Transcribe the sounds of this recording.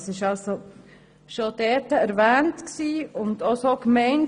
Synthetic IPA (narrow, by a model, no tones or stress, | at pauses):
sɪʃalso | ʃod̥ɛːtəæɾvɛːntksiːʊndosokmɛɪn